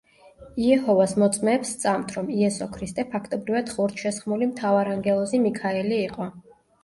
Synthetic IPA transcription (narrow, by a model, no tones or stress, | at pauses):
iɛhɔvasmɔt̪sʼmɛːpst̪sʼamt̪ʰɾɔmiɛsɔkʰɾist̪ʼɛpʰakʰt̪ʼɔbɾivad̪̥χuɾt̪ʰʃɛsχmulimt̪ʰavaɾaŋɡɛlˠɔzimikʰaɛliːqʼɔ